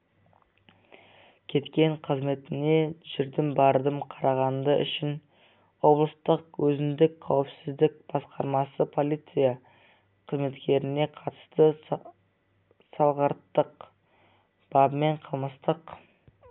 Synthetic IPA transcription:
kʲʰe̞t̪kʲe̞ɴqʰəzme̞t̪ɪne̞ʒɪɾd̪ɪmbɑɾd̪əmqʰɑɾɑʁɑnd̪əʔʏʃɪn | wo̞blˠəst̪əqwɵzɪmd̪ɪkqʰɑwɪpsɪzd̪ɪk̚b̥ɑsqɑɾmɑsəpʰo̞lˠijt̪sɨja | qʰəzme̞t̪kʲe̞ɾɪne̞qʰɑt̪ə̥st̪ə | sɑlˠʁəɾt̪ːəq | b̥ɑbme̞ɴqʰəlˠməst̪əq

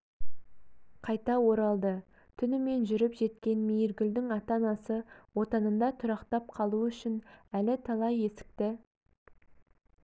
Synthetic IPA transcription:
qʰɑjt̪ɑwo̞ɾɑlˠd̪ə | t̪ʰʏnɪme̞nʒʏɾɪpʒe̞t̪̚kʲe̞nmejɪɾɡʲʏld̪ɪŋɑt̪ɑnɑsəwo̞t̪ɑnənd̪ɑt̪ʰʊɾɑqt̪ɑp̚qʰɑlˠuʏʃɪnælɪt̪ʰɑlˠɑje̞sɪ̥k̚t̪ɪ

